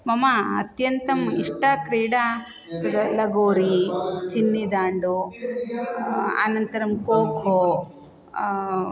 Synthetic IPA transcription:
mɐmɐɐ̰t̪jɐnt̪ɐmiʂʈakɾiːɽa | sɐd̪ɐlɐɡoːɾit͡ʃinːid̪aːɳɖu | a̰nɐnt̪ɐɾɐmkoːkʰoː

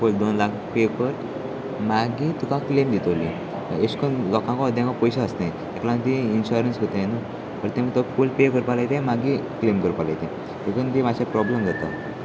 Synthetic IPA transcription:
kold̪onlakʰpekəɾ | maɡit̪ukãklemd̪it̪əli | eskonlɔkãkɔəd̪ʱjãŋkɔpɔjɕaəsnãj | aklãmət̪iinɕuɾənsɦot̪ajenu | pəɾt̪ɛmət̪ɔkulpekəɾpalajt̪emaɡiklemkəɾpala̰jt̪ɛ̃ | ekənt̪imaɕapɾɔbləmɡʱət̪a̰

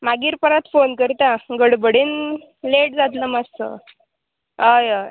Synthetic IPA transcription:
maɡiːɾpəɾat̪fonkəɾt̪aɡəɽbəɽiːn | leʈ̚d͡zat̪̬ləmassə̰ | ɦajəj

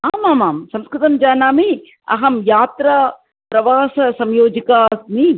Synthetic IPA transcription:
aːmaːmaːmsɐmskɾɪt̪ɐmd͡ʒaːnaːmi | ɐ̰ɦɐmjaːt̪ɾɐ | pɾɐʋaːsɐsɐmjoːd͡ʒikaːsmi

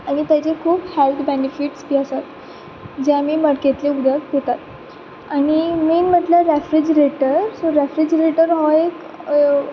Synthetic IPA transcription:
aɽ̃it̪jat͡ɕekʰuːphelt̪ʰbenifiʈsbiːəsat̪ | d͡ʑjamiːməɽket̪leud̪ʱəɾɦot̪at̪ | aɽ̃imiːnm̤əʈljaɾefɾid͡ʑɾeʈəɾsoɾefɾid͡ʑɾeʈəɾɦɔek

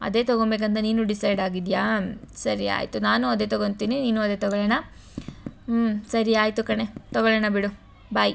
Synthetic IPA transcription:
ɐ̰d̪e̞ːt̪oɡobeːk̬ɐnt̪ɐniːnuɖisɐjɖaːɡid̪jasɐɾia̰ːjt̪unaːnuɐd̪e̞ːt̪ɔɡont̪iːniniːnuɐd̪eːt̪ɔɡɔɭɛnɐ | sɐɾiaːjt̪ukɐɳe̞t̪ɔɡɐɭɛɳɐbiɽu | bɐj

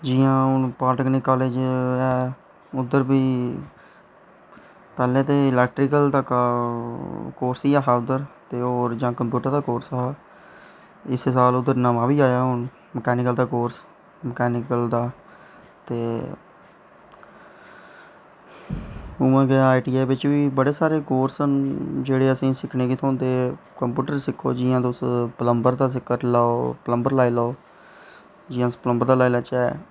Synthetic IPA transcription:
d͡ʒɪːãːɦʊnpaːʈəknɪkːaːleːd͡ʒɛː | ʊd̪əɾbiː | pɛːlẽːt̪eːɪlɛːk̚ʈɾɪkəlt̪ək | koːɾsiːaːɦaːʊd̪əɾt̪eːoːɾd͡ʒãːkəmpjuːʈəɾd̪aːkoːɾsaː | ɪssaːlʊd̪ːəɾnəmãːʋiːaːjaːɦʊɳ | məkɛːnɪkəld̪aːkoːɾs | məkɛːnɪkəld̪aː | t̪eː | ʊmãːɡeːaːiʈiːɛːʋɪt͡ʃʋiːbəɽeːsaːɾeːkoːɾsənd͡ʒeːɽeːəsĩːsɪkʰneːkit̪ʰõːnd̪eːkəmpjuːʈəɾsɪkʰːo̰ːd͡ʒɪːãːt̪ʊspələmbəɾd̪aːs̬ɪkːəɾlaːoːpələmbəɾlaːiːlaoː | d͡ʒɪjãːpələmbəɾd̪aːlaːilaːt͡ʃɛː

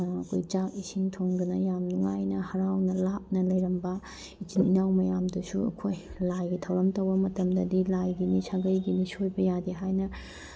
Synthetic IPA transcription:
ɐkʰojt͡ʃak̚isiŋtʰoŋɡɐnɐjamnuŋajnɐhɐɾawnɐlap̚nɐlɐjɾɐmbɐ | it͡ʃininawmɐjamdɐsuɐ̰kʰojlajɡitʰɐwɾɐmtɐwbɐmɐtɐmdɐdilajɡinisʰaɡɐjɡinisojbɐjadiɦajnɐ

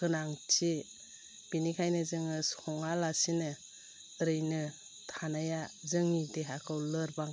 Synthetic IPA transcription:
kɯnaŋt͡ʃi | b̥inikʰajnɯzɯŋɯsɔŋalasinɯ | ɾɯjnɯ | tʰanajazɯŋːideɦakʰɯwlɯɾbaŋ

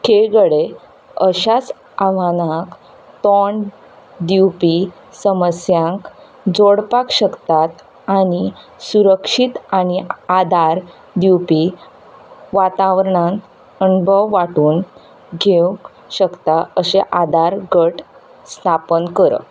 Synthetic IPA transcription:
kʰeɡəɽe | əɕat͡s | aʋanãk | t̪ɔɳ | d̪iwpi | səməsjãŋk | d͡zoɽpakɕəkt̪at̪ | aɽ̃i | suɾəkʂit̪aɽ̃iad̪ʱaɾ | d̪iwpi | ʋat̪aʋɾɳãn | ənbʱəwːaʈuːn | ɡʱẽk | ɕəkt̪aəɕeʔad̪ʱaɾɡəʈ | st̪ʰapənkəɾə̰

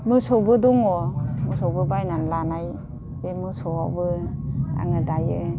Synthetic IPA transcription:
mɯsɔwbɯduŋɔmɯsɔwbɯbajnanlanaj | bemɯsɔwabɯa̰ŋɯdajɯ

